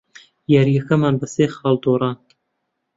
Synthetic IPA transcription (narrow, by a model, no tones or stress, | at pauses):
jaɾijɐkɐmaːnbɐseːxɑːld̪oːɾɑːn